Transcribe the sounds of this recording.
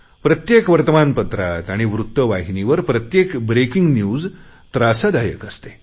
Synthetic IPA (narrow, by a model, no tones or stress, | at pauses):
pɾət̪jekʋəɾt̪əmanpət̪ɾat̪aɽ̃iʋɾut̪ːəʋaɦiniʋəɾpɾət̪jekbɾekiŋɡnjuːd͡z | t̪ɾasad̪ajə̰kəst̪e